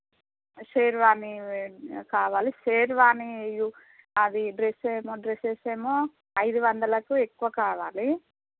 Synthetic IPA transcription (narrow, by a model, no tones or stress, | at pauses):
seːɾʋaːni | kaːʋaːliseːɾʋaːniju | ɐd̪iɖɾeseːmoːɖɾeseːseːmo | ɐjd̪uʋɐnd̪ɐlɐkue̞kːuʋakaːʋaːli